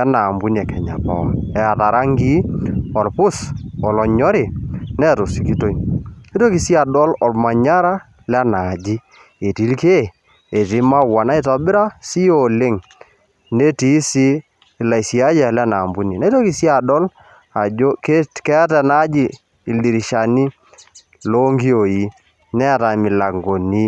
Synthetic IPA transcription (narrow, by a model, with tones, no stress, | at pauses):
ɛ˦na˨mbu˦nɛ˨kɛ˨ɲa̰˨pa̰˨wa˨ɛ˨a˨ta˨ɾa˦ŋɡi˦ɔ˨lpʊ˦sɔ˨lɔ˨ɲɔ˦ɾɪ˨nɛ˦˨to˨si˨ki˦to˦i˦e˦to˦ki˨si˦a˨dɔ˦lɔ˨lma˨ɲa˦ɾa˦ | lɛ˦na˨d͡ʒi˦ | e˨ti˦lke˦˨ | e˨ti˨˦ma˦wa˨na˦i˦ta˨bɪ˦ɾa˦si˦o˨lɪ˦ŋ | ne˦ti˦si˦˨ | la˨jsi˨a˦d͡ʒa˦˨lɛ˦na˨mbu˦ni˨na˦to˦ki˨si˦a˨dɔ˦l | a˨o˦kkɛ˦tɛ˨na˦d͡ʒi˦ | ɪ˨ldi˨ɾi˨ʃa˨ni˦ | lo˦ŋɡi˦o˨ji˨˦ | nɛ˦˨ta˨mɪ˨la˨ŋɡo˨ni˦